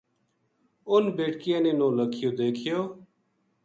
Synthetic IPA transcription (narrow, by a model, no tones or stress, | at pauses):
ʊnbeːʈkɪjãːneːnõːləkʰɪjoːd̪eːkʰɪjoː